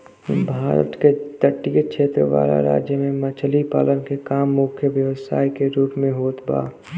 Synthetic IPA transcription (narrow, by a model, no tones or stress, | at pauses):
bʱaːɾə̰t̪ked̪əʈːijekʃʰeːt̪ɾəʋa̰ːla̰ɾa̰ːd͡ʒjəmẽmɐt͡ʃʰəlipaːlənkekaːmːʊkʰjəʋjəʋsaːikeɾuːpmẽɦoːt̪ba̰ː